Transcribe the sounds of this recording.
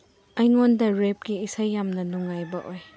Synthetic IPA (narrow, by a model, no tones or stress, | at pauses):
ɐjŋondɐɾep̚ɡiːsajːamnɐnuŋːajbɐʔoj